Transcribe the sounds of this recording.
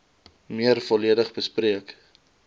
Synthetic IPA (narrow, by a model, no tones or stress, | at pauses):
miərfɔliədəχbəspriək